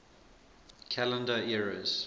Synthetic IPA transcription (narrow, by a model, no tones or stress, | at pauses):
kʰælə̃ndəɛɹəz̥